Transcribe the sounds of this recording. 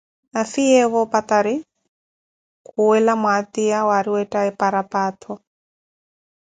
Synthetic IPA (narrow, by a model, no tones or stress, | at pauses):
afiɛɣɔpat̪aɾi | kʰuwɛlamwat̪iawaɾiwɛtʼaɛpaɾapat̪ʰɔ